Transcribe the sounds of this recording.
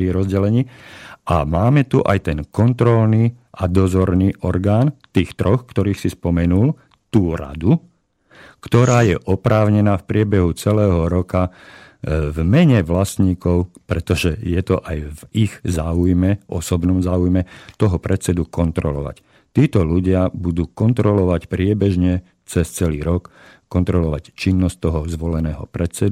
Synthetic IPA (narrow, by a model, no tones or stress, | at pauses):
iɾɔzɟɛlɛɲiːʔamaːmɛt̪uʔa̰jt̪ɛnkɔnt̪ɾɔlniːʔad̪ɔzɔɾniːʔɔɾɡaːnt̪iːxt̪ɾɔxkt̪ɔɾiːxsispɔmɛnul | t̪uːɾa̰d̪u | kt̪ɔɾaːjɛʔɔpɾaːʊɲɛnaːfpɾɪɛbɛɦut͡sɛlɛːɦɔɾɔka | vmɛɲɛʋlasɲiːkɔʊpɾɛt̪ɔʒɛjɛt̪ɔʔajviɣzaːujmɛɔ̰sɔbnɔmzaːujmɛt̪ɔɦɔpɾɛt̪t͡sɛd̪ukɔnt̪ɾɔlɔ̰ʋa̰c | t̪iːt̪ɔluɟɪabud̪uːkɔnt̪ɾɔlɔʋacpɾɪɛbɛʒɲɛ | t͡sɛst͡sɛliːɾɔkː | ɔnt̪ɾɔlɔʋact͡ʃinːɔsc̚t̪ɔɦɔzʋɔlɛnɛːɦɔ̰pɾɛt͡sɛd̪